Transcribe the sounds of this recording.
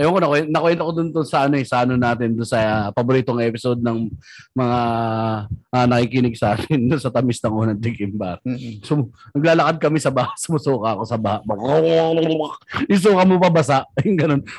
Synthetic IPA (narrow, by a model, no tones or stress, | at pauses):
ʔɐjoŋkonɐkwɛnɐkowɛnt̪okod̪ʊnd̪ʊnsɐʔɐnoɛsɐʔɐnonaːt̪ɪnd̪ʊnsɐpɐboɾiːt̪oŋʔɛpɪsod̪̚nɐŋ | mɐŋa | ʔːnɐkikinɪɡsɐʔaːt̪ɪnd̪ʊnsɐt̪ɐmɪsnɐŋʔoːnɐŋd̪ɪkɪmbaɾsonɐɡ̚laːlɐkad̪̚kɐmɛsɐbɐhasɐmɐsuːkɐɐko̞sɐbɐhaʔbɐ | ɪs̬uːkɐmopɐbɐsaʔjʊŋɡɐno̞n